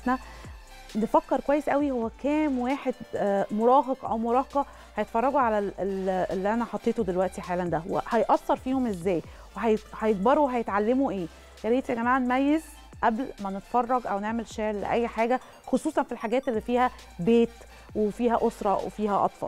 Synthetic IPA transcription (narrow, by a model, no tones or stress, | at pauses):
næ | nefækːeɾkwæjːesʔæwihowːækæːmweːħed̪moɾˤɑːɦɑqʔæwmoɾˤɑːhɑqɑ | hæjet̪fɑrˤːɑɡuʕalæelelːiʔænæħɑt̪ˤːeːt̪od̪elwæʔt̪iħaːlænd̪æwḛhɑjʔɑsːɑɾˤfiːhomʔezːæːj | weɦæjhæjeɡ̚bɑɾˤweɦæjet̪ʕalːemuʔeː | jæleːt̪æɡæmaːʕanmæjːez | ʔæblmænet̪fɑrˤːɑɡʔæwneʕmelʃeʕlːḛʔæjːħaːɡæ | xosˤuːsˤɑnfilħaɡæːt̪elːiːfiːhæ | beːt̪ | wefiːɦæʔosɾˤɑwḛfiːɦæʔɑ̰t̪ˤfɑ̰ll